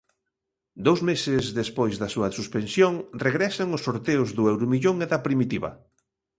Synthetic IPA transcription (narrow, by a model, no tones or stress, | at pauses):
d̪owzmesɪzðespojzðɐsuɐsuspensjoŋreɣɾɛsaŋʊsːoɾt̪eʊzðʊɛwɾʊmiʎoŋeðɐpɾimit̪iβɐ̰